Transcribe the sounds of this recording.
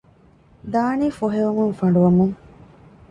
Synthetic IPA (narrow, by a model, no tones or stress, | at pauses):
d̪aːniːfoɦeʋɐmuŋfɐɳɖuʋɐmuŋ